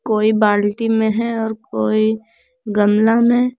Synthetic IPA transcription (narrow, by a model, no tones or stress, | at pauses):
koːibaːlʈimẽɦɛɔːɾkoːi | ɡəmlamẽ